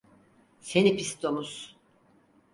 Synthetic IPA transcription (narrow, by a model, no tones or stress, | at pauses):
senipʰist̪ʰomus